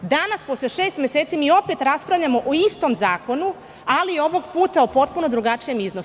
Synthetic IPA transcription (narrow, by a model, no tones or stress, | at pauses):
d̪anaspo̞sleʃe̞ːst̪mjeset̪simiːo̞pe̞t̪ɾaspɾaʋʎamo̞ʔoist̪o̞mzaːko̞nu | alieo̞ʋo̞ɡpuːt̪aopo̞t̪̚puno̞d̪ɾuɡat͡ʃije̞mizno